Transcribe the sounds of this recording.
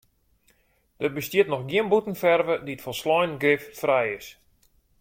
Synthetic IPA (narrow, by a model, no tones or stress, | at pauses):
d̥ət̚bəstjiətnɔxɡiənbutən̩fɛrvədiətfɔlˠslɔjnɡrɪffrɛjɪs